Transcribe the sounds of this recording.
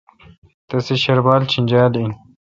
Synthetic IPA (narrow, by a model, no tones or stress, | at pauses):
t̪ɐseɕɐɾbaːlt͡ɕʰinʲd͡ʑaːlin